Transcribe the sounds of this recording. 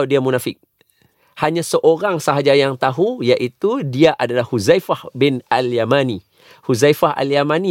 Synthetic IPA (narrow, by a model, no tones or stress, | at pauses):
diamunafɪk̚ | haɲãsəʔoɾaŋsaɦad͡ʒajaŋt̪aɦujaʔit̪udiaʔadalahhuzajfahbɪnaljamani | huzajfaɦa̰ljamani